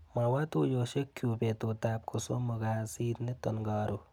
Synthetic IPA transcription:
mɐwat̪ujoːʃekʰːjuːbet̪ot̪aːp̚kosomɐɡaːsiːd̪net̪ɐnɡaːɾu

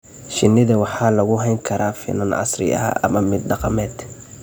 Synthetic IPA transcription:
ʃɪnːɪðɐwɑħɑːlɐɣʊɦɛjŋkʰɐɾaːfɪ̰nɐnʔɑ̰srɪ̰ɐ̰ʔɐ̰mɐmɪd̪̚ɖɑqɑmɛːd̪

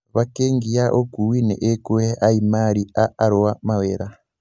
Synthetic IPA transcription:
βakeŋɡijaʔokuwinɛ̰ʔekueaimaɾiaːɾɔwamaweːɾa

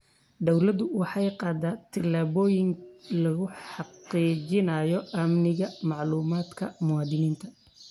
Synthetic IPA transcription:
d̪ɐwlɐd̪ʊwɑħɑjqɑːd̪aːt̪ʰɪlaːβɔːjɪŋlɐɣʊħɑqiːt͡ʃɪnɐjɔɐmnɪɣɐmɑʕluːmaːd̪kʰɐmʊwɑːd̪ɪniːnt̪ʰɐ

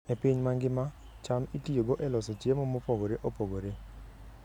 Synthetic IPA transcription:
epiɲmaŋɡɪma | t͡ʃamitijoɡoʔɛlɔsɔt͡ʃjemɔmopoɡoɾeʔopoɡoɾe

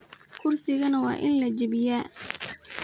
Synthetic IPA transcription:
kʰʊrsɪɣɐnɐwɑ̰ːʔɪ̰nlɐd͡ʒɪbɪjaː

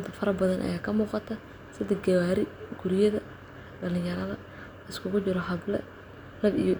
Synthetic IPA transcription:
d̪fɐɾɐbɐðɐnʔɐ̰jaːkʰɐmuːqɑt̪ʰɐ | sɪd̪ɛɡɐwaːɾɪɡʊɾjɐðɐ | ɖɐlɪ̃jɐɾɐðɐ | ɐɪskʰʊɣʊt͡ʃɪɾɔɦɐblɛ̰ | lɐbij

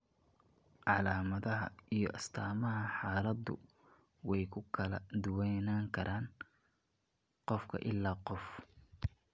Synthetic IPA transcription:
ʕɑlaːmɐðɐɦɐ̰ijɞʔɐst̪ʰaːmɐɦɐħɑːlɐd̪ʊ̰ | wɛjkʰʊkʰɐlɐd̪ʊwɛjnaːŋkʰɐɾʔaːn | qɔfkʰɐ̰ʔɪlːaːqɔf

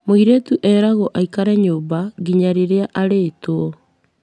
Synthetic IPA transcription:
moiɾetuʔɛːɾaɣoʔaikaɾɛɲoːbaɡiɲaɾeɾeaʔaɾeːtoɔ

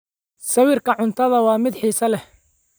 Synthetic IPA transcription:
sɐwɪrkʰɐʕʊnt̪ʰɐðɐwɑːmɪd̪ħiːsɐlɛ

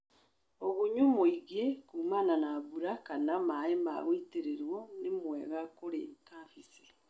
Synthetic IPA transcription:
oɣuɲumoiɣekuːmananaβuɾakanamaema̰ɣwiteɾeɾwonemweɣakoɾḛkafisi̥

